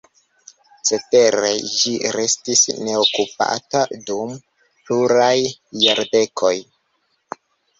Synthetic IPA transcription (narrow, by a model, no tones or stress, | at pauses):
t͡se̞te̞ɾe̞̰d͡ʒiɾe̞stisne̞okupa̰tadum | pluɾajːaɾde̞kʰo̞j